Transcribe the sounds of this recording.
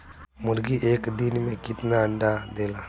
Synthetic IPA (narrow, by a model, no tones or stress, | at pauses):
mʊɽɡiʔeːkd̪inmẽkit̪naɐɳɖad̪ela